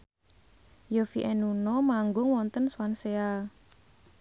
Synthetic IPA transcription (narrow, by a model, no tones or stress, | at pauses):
jofiʔɛnunɔmaŋɡʊŋwɔnt̪ənswansea